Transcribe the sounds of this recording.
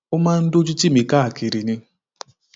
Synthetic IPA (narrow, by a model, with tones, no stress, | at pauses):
ʊ˦ma˦n̩˦dʊ˦d͡ʒu˦ti˦mi˨ka˦a˨ki˨ɾi˨nɪ˦